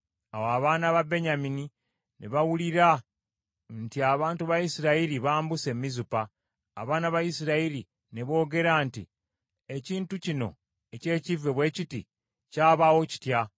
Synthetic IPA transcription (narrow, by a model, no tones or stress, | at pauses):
awoaβaːnaβabe̞ɲamini | neβawuliɾa | ntiaβaːntuβajisiɾaiɾiβaːmbuse̞mːizupa̰ː | βaːnaβajisiɾaiɾi | ne̞βo̞ːɡe̞ɾantḭ | e̞ciːntucino̞̰ | e̞ce̞ːcive̞βwe̞ːciti | caːβawo̞ci̥tja